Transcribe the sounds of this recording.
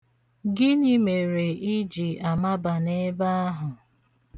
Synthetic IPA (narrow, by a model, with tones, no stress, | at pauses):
ɡɪ˦ni˦me˨ɾe˨i˦d͡ʒi˨a˨ma˦ba˨ne˦ba˦a˦ɦʊ˨